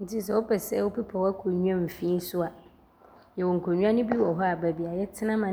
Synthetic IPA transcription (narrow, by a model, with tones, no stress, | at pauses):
n̩˨tʰi˦s̬ɛ˨wɔ˦pʰɛ˨sɛ˦wo˦pi˦pʰa˨wa˦kʰo˨ɲũ˦ã˦m̩˨fĩː˦sʊ˦a˨ | jɛ˨wɔ˨ŋ̩˨kʰo˨ɲũ˦ã˦nʊ̃˦bi˦wɔ˨ɦɔ˦a˨bæ˨bi˨a˨jɛ˦tʰɪ˦nã˦mã˨